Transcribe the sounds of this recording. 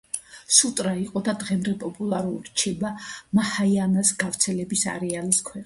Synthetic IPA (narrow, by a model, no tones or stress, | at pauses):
sut̪ʼɾaiqʼɔd̪ad̪ʁɛmd̪ɛpʼɔpʼulˠaɾulˠɾt͡ʃʰɛbamahajanasɡavɾt̪sʰɛlɛbisa̰ɾɛaliskʰwɛ